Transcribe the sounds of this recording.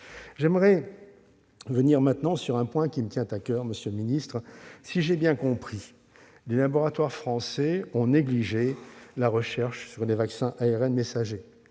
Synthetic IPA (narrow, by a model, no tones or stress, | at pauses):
ʒɛmʁɛ | vəniʁmɛ̃t̪nɑ̃syʁɛ̃pwɛ̃kʲimət̪jɛ̃t̪akʲœːʁməsjølminist̪χsiʒebjɛ̃kɔ̃pχi | lelabɔʁat̪waʁfχɑ̃sɛɔ̃neɡliʒelaʁəʃɛʁʃsyʁlevaksɛ̃ʔaeʁɛnmesaʒe